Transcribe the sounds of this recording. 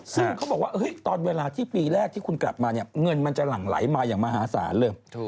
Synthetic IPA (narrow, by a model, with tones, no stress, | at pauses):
sɯ˥˩ŋkʰa˦˥bɔː˨˩k̚waː˥˩ʔɤː˦˥jt̪ɔː˧nweː˧laː˧t̪ʰiː˥˩piː˧ɾɛː˥˩k̚t̪ʰiː˥˩kʰu˧nkla̰˨˩p̚maː˧ni˥˩ɐŋɤ˧nma˧nt͡ɕa˨˩la˨˩ŋla̰˨˩˦jmaː˧jaː˨˩ŋmaː˧ɦaː˩˦sa̰ː˩˦nlɤː˧jʰ